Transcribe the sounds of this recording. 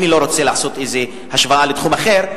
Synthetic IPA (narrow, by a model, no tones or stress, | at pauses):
nilo̞ɾot͡selaːso̞t̪ejze | haʃvaalet̪χumaχeʁ